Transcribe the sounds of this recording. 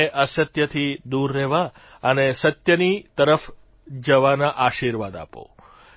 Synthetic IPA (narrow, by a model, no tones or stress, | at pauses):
eʔəsət̪jət̪ʰid̪uɾːɛɦʋa | ənesət̪jənit̪əɾəf | d͡ʒəʋanaʔaʃiɾʋad̪a̰po̰